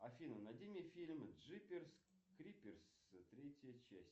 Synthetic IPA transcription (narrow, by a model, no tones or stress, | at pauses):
ɐfʲinənad̪ʲemʲifʲilʲmʐɨpʲers | kɾʲipʲɪrs | t̪ɾʲetʲjjət͡ɕæsʲ